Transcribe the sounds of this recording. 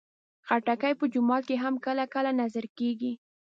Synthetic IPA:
xaʈakajpəd͡ʒʊmɑt̪̚keɦamkəlakəlanazaɾkeɡi

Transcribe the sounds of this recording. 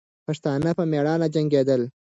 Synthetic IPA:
paʂt̪ɑnapəmeɽɑnad͡ʒaŋɡed̪əl

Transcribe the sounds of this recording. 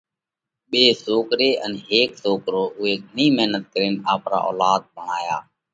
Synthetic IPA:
ɓeːsoːkɾeːʔənɦeːksoːkɾoːʔʊɦeːɡʱənĩːmɪɦnət̪̚kəɾeːnaːpɾa̰ːʔo̰ːlaːd̪̚bəɳaːjaː

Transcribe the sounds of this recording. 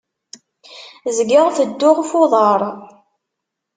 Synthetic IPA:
zɡəʁθəd̪ːʊʁfʊðˤəɾˤ

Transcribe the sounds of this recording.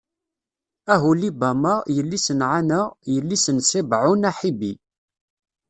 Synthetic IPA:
æɦulibæmajəlːisənʕanəʁjəlːisənsibʕʊnaħibi

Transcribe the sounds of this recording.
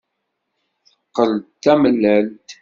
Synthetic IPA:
θəqːəlt̪ːæməlːəlt̪

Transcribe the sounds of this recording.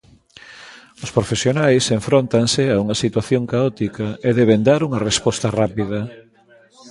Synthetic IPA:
ʊspɾofesjonajseɱfɾont̪ansɪauŋɐsit̪waθjoŋkaɔt̪ikɐeðɛβend̪aɾuŋɐrespɔst̪ɐrapiðɐ

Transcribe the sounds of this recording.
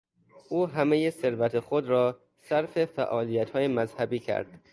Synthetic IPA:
ʔuːɦæmejese̞ɾvæt̪ʰexod̪ɾɒː | sæɾfe̞fæʔɒːlijæt̪hɒːjemæzhæbiːcʰæ̰ɾd̪̥

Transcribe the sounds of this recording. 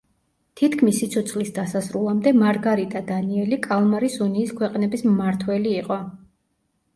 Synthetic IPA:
t̪ʰit̪ʰkʰmisːit̪sʰɔt̪sʰlisd̪asasɾulˠamd̪ɛmaɾɡaɾit̪ʼad̪aniɛlikʼalˠmaɾisuniːskʰwɛqʼnɛbismːaɾt̪ʰwɛliːqʼɔ

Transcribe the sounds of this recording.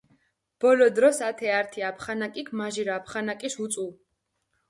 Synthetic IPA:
b̥ɔlɔd̪ɾɔsat̪ʰɛaɾt̪ʰiapʰχanakʼikʰmaʒiɾaːpʰχanakʼisut̪sʼu

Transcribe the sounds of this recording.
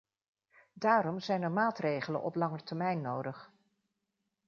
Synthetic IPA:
daːɾɔmzɛjnəɹmaːtrejχələ̰nʔɔ̰plɑŋəɹtɛɹmɛjnːowdəχ

